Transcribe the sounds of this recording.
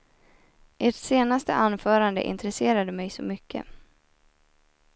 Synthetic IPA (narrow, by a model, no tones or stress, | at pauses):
ʔeʈseːnast̪ə̰ʔanːfœːɾand̪ə̰ʔɪ̰nt̪ɾəseːɾad̪əmɛjsɔmʏkʰːə̰